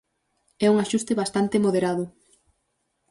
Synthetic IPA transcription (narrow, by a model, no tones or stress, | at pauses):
ɛuŋaʃust̪eβast̪ant̪emoðeɾaðʊ